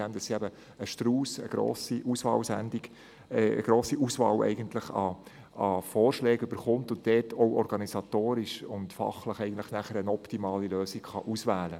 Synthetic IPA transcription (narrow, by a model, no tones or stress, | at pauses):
ɛmd̥ɑssiæbə | əʃtɾuːsə̰ɡ̥ɾo̰ːsiʔusʋɑ̰ːlsændɪɡ | ɛə̰ɡ̥ɾoːsiʔuːsʋɑ̰ːwɛ̰ɪɡənt̪ləχɑ̰ | ɑfɔːɾʃlɛːɡʏb̥əɾχʊmt̪ʊnt̚dɛːtʰɔʊɔɾɡɑnisɑtoːɾɪʃʊntfɑ̰χləχɛɪɡən̩tlə̥χnæχəɾənɔptimɑːliløːsɪɡ̥χɑ̰ʔusʋæːlə